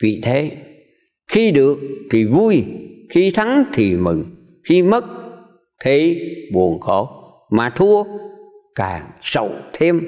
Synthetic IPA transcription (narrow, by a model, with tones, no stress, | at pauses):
vḭ˧˨t̪ʰe˨˦ | xi˧ɗɨ˨˩ək̚t̪ʰi˨˩vu˧jxi˧t̪ʰa˨˦ŋt̪ʰi˨˩mɨ̰˨˩ŋ | xi˧mə˦˥t̚ | t̪ʰe˨˦ɓu˨˩ənkɔ˧˩˦ | maː˨˩t̪ʰu˧ə | kaː˨˩ŋsə̰˧˨wt̪ʰe˧m